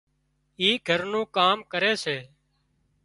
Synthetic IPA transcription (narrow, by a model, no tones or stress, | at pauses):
iːɡʱəɾnũːkaːmkəɾeːseː